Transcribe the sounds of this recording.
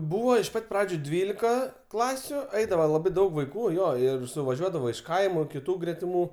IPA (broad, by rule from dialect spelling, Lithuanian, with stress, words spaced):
ˈbuːʋɐ ɪʃ ˈpɐtʲ ˈprɑːd͡ʒʲʊ ˈdʲʋʲiːlʲɪkɐ ˈklˠɑːsʲʊ ˈɐɪdɐʋoː lˠɐˈbɐɪ ˈdɐʊk ʋɐɪˈkuː ˈjoː ɪr sʊʋɐˈʒʲuɔdɐʋoː ɪʃ ˈkɐɪmʊ kʲɪˈtuː ɡrʲɛtʲɪˈmuː